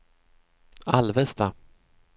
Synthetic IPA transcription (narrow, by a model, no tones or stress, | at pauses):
alvɛst̪a